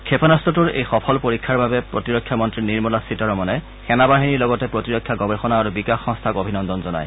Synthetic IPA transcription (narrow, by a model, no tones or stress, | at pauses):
kʰepanastɔtʊɹḛjxɔpʰɔlpoɹikʰːaɹbabɛpɹotiɹɔkʰːjamɔntɹiniɹmɔlasitɔɹɔmɔnɛ | xɛnabaɦiniɹlɔɡɔtɛpɹotiɹɔkʰːjaɡɔbɛxɔnaːɹubikaxːɔŋstʰaɡobʱinɔndɔnzɔna̰j